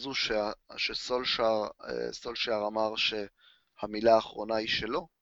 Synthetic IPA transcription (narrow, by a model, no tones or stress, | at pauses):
zuʃeaʃesolʃaʁḛso̞lʃaʁamaʁʃe̞ | hamilaːχʁonaiʃe̞lo̞